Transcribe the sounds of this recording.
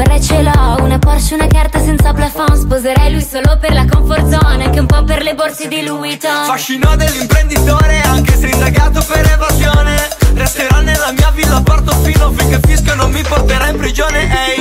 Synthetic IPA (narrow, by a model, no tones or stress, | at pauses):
ɾɛt͡ʃelɔunapɔrsiunakart̪asɛnt̪saplafɔnspozeɾajlujsoːloperlakoɱfort̪sɔneaŋk̟eumpɔperleborsed̪ilujt̪ofaʃːinɔd̪elːimpɾend̪it̪oːɾeaŋkeseind̪aɡaːt̪opeɾevazjoːnerest̪eɾanːelːamiːavilːapɔrt̪ofiːlofikːepːiskonomːiport̪eɾaimpɾid͡ʒoːneʔɛj